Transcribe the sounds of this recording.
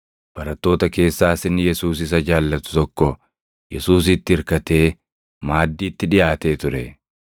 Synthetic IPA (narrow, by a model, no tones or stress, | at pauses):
b̥ɐɾɐt̪ːo̞ːt̪ɐke̞ːsːaːsɪnjɛsuːsɪs̬ɐd͡ʒaːlːɐt̪ʊ̥t̪ɔkːɔ | jɛsuːs̬ɪt̪ːɪɪɾkɐt̪e̞ː | maːd̪ːiːt̪ːɪᶑɪjaːt̪e̞ːt̪ʊɾɛ